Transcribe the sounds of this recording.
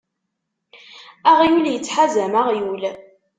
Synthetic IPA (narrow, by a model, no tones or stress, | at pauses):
aʁjuljət͡sːħazæmaʁjul